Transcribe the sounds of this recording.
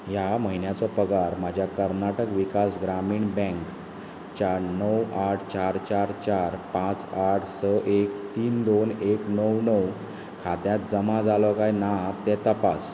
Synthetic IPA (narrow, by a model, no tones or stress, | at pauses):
ɦjaməɦinjat͡sɔpəɡaɾmad͡ʑʱjakəɾnaʈəkʋikasɡɾamiːɳbɛ̃ŋk | t͡ɕanəwaʈʰt͡ɕaɾt͡ɕaɾt͡ɕaɾpãt͡saʈʰsəʔekt̪iːnd̪oneknəwnəw | kʰat̪jat̪̚d͡zəmãd͡zalɔkajnat̪ɛt̪əpas